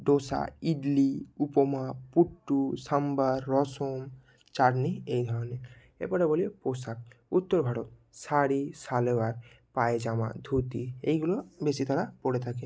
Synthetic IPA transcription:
ɖosa̰iɖliupɔmapuʈːusambaɾːɔsɔm | t͡ʃaɖniejd̪ʱɔɾɔne | ḛpɔɽebolieposak̚ut̪ːɔɾbʱaɽɔt̪̚ | saɽisalebaɾ | paed͡ʒama̰d̪ʱut̪iejɡulobesit̪ʰaɾapɔɽet̪ʰake

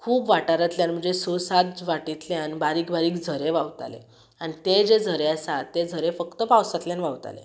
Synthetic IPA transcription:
kʰuːpʋaʈaɾat̪ljanm̤əɳd͡zesosat̪ʋaʈit̪leanibaɾiːkbaɾiːkd͡zʱəɾeʋawt̪a̰lḛ | añit̪ed͡ʑed͡zʱəɾeasat̪ed͡zʱəɾefəkt̪əpawsat̪ljanʋawt̪a̰lḛ

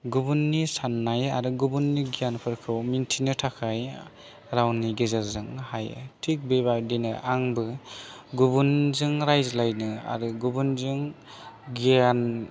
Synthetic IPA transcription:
ɡubunːisanːajaɾuɡubunːiɡijanpʰɯɾkʰɯwmintʰinɯtʰakʰaj | ɾawniɡezaɾzɯŋhaj̰tʰik̚bebaɾdinɯ̰ʔaŋbɯɡubunzɯŋɾajzlajnɯa̰ɾɯɡubunzɯŋ | ɡijan

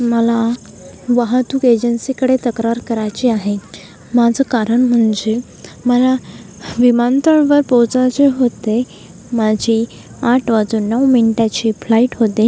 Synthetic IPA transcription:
məla | ʋaɦət̪uːked͡ʑənsikəɽet̪əkɾaɾkəɾajt͡ɕiːaɦe | mad͡zʱəkaɾəɳm̤əɳd͡ze | məla | ʋimant̪əɳʋəɾpowt͡sat͡seɦot̪e | mad͡ʑʱi | aʈʰʋad͡zuːnːəʋminiʈjat͡ɕiːflaiʈɦot̪e

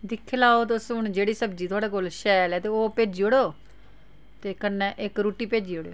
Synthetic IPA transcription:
d̪ɪkʰːlaːoːt̪ʊsʊɳd͡ʒeːɽiːsəb̚d͡ʒiːt̪ʰʊaːɽeːkolʃɛːlɛːt̪eːoːpeːd͡ʒiːoɽoː | t̪eːkənɛ̃ːʔɪkɾuːʈːiːpeːd͡ʒiːoɽejoː

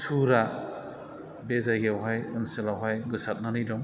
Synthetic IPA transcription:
sʰuɾa | bezajɡeawɦajɯnsɯlawɦajɡɯsat̚nanijdɔŋ

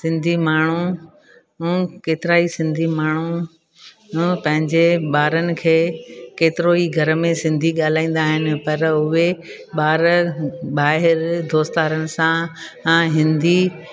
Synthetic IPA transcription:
sɪ̃nd̪ʱimaːɳ̤u | keːt̪ɪɾaːisɪ̃nd̪ʱimaːɳ̤u | pɐ̃ɦɪ̃ɲd͡ʑeɓaːɾənɪ̆kʰeːkeːt̪ɪɾoiɡʱɐɾmẽsɪ̃nd̪ʱiɠaːl̤ãːĩːn̆d̪aːɦɪnɪ̆pɐɾʊɦe | ɓaːɾɓaːɦɪɾd̪ʱoːst̪aːɾənɪ̆sã | ɦɪ̃nd̪ʱi

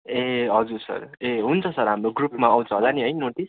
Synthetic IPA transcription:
eɦʌd͡zuɾsʌ̰ɾeɦunt͡sʰʌsʌɾɦamɾoɡrupmaaw̃t͡sʰʌɦʌd͡zaniɦʌjnoʈis

